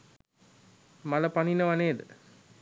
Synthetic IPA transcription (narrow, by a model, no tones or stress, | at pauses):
maləpaninəʋaneːd̪ə